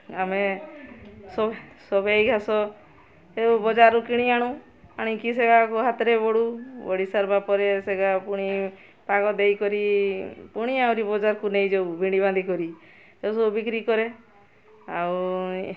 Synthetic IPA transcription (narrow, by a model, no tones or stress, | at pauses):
ame | sɔsɔbejɡʱasɔ | ewbɔd͡ʒaɾukiɽ̃iaɽ̃ũ | aɽ̃ikiseɡakuɦat̪ɾebɔɽubɔɽisaɾbapɔɾeseɡapuɽ̃i | paɡɔd̪ejkɔɾipuɽ̃iawɾibɔd͡ʒaɾkunejd͡ʒobubʱiɽ̃ibãnd̪ʱikɔɾi | esɔbubikɾikɔɾe | aw